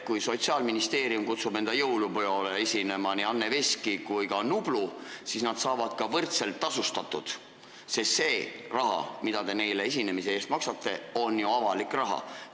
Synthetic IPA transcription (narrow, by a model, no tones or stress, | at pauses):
kujso̞t̪siɑːlminist̪e̞ːɾijumkut̪sub̥ne̞nd̪ɑjɤwlupojoleesʲine̞mɑniɑnːe̞veskikujkɑnublusisnɑd̪̥sɑːvɑd̪̥kɑvɤrt̪se̞lt̪ːɑsust̪ɑt̪ːˑud̪̥ | sest̪se̞ːrɑɦɑ̰mid̪̥ɑd̪e̞ne̞jle̞es̬ʲine̞mis̬e̞e̞ːst̪mɑksɑt̪ːe̞o̞njuɑvɑlikrɑɦɑ̰